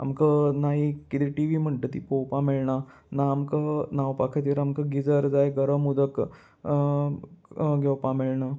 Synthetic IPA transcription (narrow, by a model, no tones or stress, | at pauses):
a̰mkənaɦikit̪iʈiʋim̤əɳʈet̪ipowpãmeɭɳa | naːmkənaʋpakʰət̪iɾamkəɡid͡zəɾd͡zajɡəɾəmud̪ək | ɡʱɛwpãmeɭɳa